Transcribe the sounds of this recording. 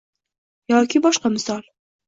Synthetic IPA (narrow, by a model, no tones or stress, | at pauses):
jɑːkʲɪbɒʃqɑmɪsɑl